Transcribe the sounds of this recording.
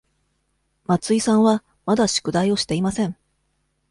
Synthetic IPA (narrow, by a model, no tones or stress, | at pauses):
mat͡sɨisãɰ̃βa | mad̪aɕi̥kɯ̟d̪aio̞ɕi̥t̪e̞imasẽ̞ŋ